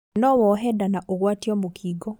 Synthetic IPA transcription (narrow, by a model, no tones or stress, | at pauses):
nɔwɔɦɛdanaʔoɣwatiɔmokʰiːɡɔ